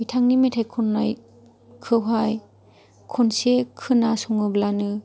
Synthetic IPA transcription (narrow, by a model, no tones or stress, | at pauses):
itʰaŋnimetʰajkʰɔnːaj | kʰɯwɦaj | kʰɔnsekʰɯnasɔŋɯblanɯ